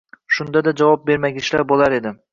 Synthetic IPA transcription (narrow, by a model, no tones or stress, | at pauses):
ʃʊnd̪ad̪ad͡ʒavɒp̚beɾmaɡʲɪʃlaɾbolˠaɾe̞d̪ɪ